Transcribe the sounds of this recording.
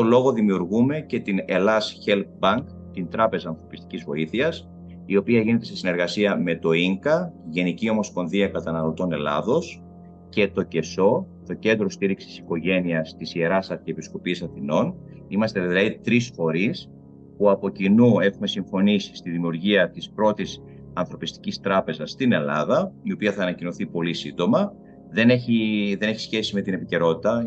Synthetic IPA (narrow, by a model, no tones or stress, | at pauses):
t̪olo̞ɣo̞ðimiuɾɣume̞ce̞t̪ine̞lɐsçe̞lk̚bɐŋk | t̪int̪ɾɐpe̞zɐːnθɾo̞pist̪i̥cizvo̞̰iθiɐs | io̞piɐʝine̞t̪e̞sesine̞ɾɣɐsiɐme̞t̪o̞iŋkɐʝe̞nicio̞mo̞spo̞nðiɐkɐt̪ɐnɐlo̞t̪o̞ne̞lɐ̰ðo̞s | ce̞t̪o̞ce̞so̞ | t̪o̞ce̞nd̪ɾo̞st̪iɾiksi̥si̥ko̞ʝe̞niɐst̪isie̞ɾɐsɐɾceepisko̞pisɐθino̞n | imɐst̪e̞ðilɐðit̪ɾisfo̞ɾis | puɐpo̞cinue̞xume̞siɱfo̞nisi̥st̪iðimiuɾʝiɐt̪ispɾo̞t̪is | ɐnθɾo̞pist̪icist̪ɾɐpe̞zɐsːt̪ine̞lɐ̰ðɐio̞piɐθɐːnɐcino̞θipo̞lisind̪o̞mɐ | ðe̞neçiðe̞ne̞çi̥sçe̞sime̞t̪ine̞pice̞ɾo̞t̪it̪ɐ